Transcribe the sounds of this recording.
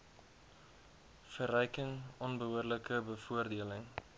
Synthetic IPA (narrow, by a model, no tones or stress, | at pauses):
fərœjkəŋɔnbəɦuərləkəbəfuərdiələŋ